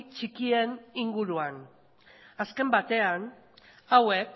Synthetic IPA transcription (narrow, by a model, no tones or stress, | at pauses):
t͡ʃikie̞niŋɡuɾuan | aske̞mbat̪e̞an | awe̞k